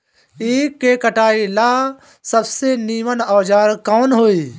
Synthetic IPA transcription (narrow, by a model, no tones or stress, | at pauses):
eːkːekəʈaːilaː | səbseniːmənɔːd͡ʒaːɾkɔːnɦoːiː